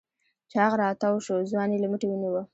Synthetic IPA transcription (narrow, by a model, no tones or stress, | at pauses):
t͡ʃɑɣɾɑt̪awʃozwɑnelaməʈewəniwə